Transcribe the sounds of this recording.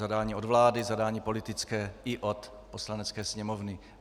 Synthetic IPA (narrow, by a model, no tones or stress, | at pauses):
zadaːɲiːo̞dvlaːdɪzadaːɲiːpo̞lɪt̪ɪt͡skɛːʔɪʔot̪ | po̞slanɛt͡skɛːsɲɛmovnɪ